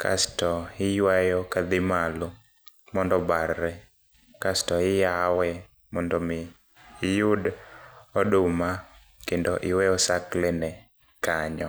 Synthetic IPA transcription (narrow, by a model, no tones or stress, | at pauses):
kʰa̰stɔɪjwajɔkad̪ɪmalʊ | mɔndɔbarːɛ | kastɔɪjawɛ | mɔndɔmɪ | jʊd | ɔdʊma | kendɔʔɪwɛɔsaklɛnɛ | kaɲɔ